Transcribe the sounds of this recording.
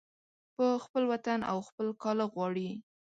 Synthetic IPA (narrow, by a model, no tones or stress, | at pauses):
pəxpəlwat̪ana̰wxpəlkɑləɣwɑɽi